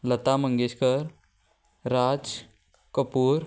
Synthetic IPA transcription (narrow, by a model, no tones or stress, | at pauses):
lət̪aməŋɡeɕkəɾː | ad͡z | kəpuːɾ